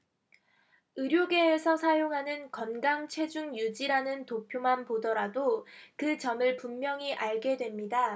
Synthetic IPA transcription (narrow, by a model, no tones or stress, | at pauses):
ɯɾjoɡe̞ːsʰʌsʰajoŋɦanɯnkʌnɡaŋt͡ɕʰwe̞d͡ʑuŋjud͡ʑiɾanɯntopʰjomanpodʌɾadokɯt͡ɕʌmɯɭpumːjʌŋiʔaɭɡe̞dwe̞mɲida